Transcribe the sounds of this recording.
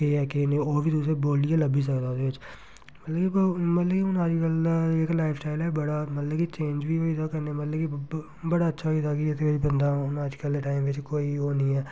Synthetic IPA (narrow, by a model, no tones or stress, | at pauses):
keːɛːkenẽoːbʱiːt̪us̬eboːlijaləbiːs̬əkd̪aːʊd̪eːʋɪt͡ʃ | mət̪ləkibmət̪ləkiʊnəd͡ʒkəleːklaːɪpʰsʈaːɪlɛːbəɽaːmət̪ləbkit͡ʃẽːnd͡ʒʋiːoːid̪okɛnemət̪ləki | bəɽaːətːʃʰaid̪akid̪eʋɪt͡ʃbə̃nd̪aːʊnəd͡ʒkəlʈaːɪmʋɪt͡ʃkoːiːoːnĩːɛː